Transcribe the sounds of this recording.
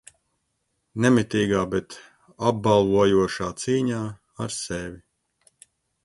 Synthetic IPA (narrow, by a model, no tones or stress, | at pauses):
nɛmit̪iːɡaːbɛt̪ | ab̚balˠvuɔjuɔʃaːt̪siːɲaː | aɾsɛvʲi